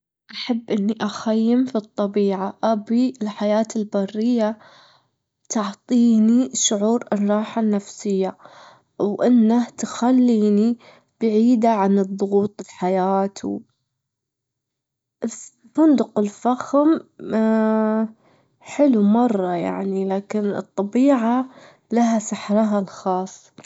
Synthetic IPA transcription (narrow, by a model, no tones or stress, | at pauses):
ʔaħabːʔɪnːiʔaxajːɪmfit̪ˤːɑbiːʕaʔabiɪlħajaːt̪ɪlbɑrːɪjːa | t̪ʊʕt̪ˤiːniʃʊʕuːɾʔɪnɾˤɑːħanːafsɪjːa | wʔɪnːaht̪xalːiːni | b̥ʕiːd̪aʕanɨðˤʊɣuːt̪ˤɪlħajaːt̪ʰṵ | bʊnd̪ʊqɪlfaxm | ħɪlumɑrˤːɑja̰ʕnilaːkɪnɨ̰t̪ˤːɑbiːʕa | laɦasaħɾaɦalxɑːsˤː